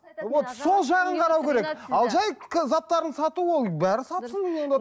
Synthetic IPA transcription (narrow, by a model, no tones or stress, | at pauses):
wot̪so̞lˠʒɑʁəɴqʰɑɾɑwkʲʰe̞ɾe̞kɑlˠʒɑjkʰzɑt̪ːɑɾənsɑt̪uwo̞lˠbæɾɪsɑt̪sənenend̪e